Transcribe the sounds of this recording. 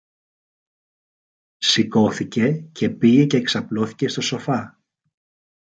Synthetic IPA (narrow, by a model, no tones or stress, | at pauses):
siko̞θice̞cʰe̞piʝe̞ce̞ːksɐplo̞θi̥ce̞st̪oso̞fɐ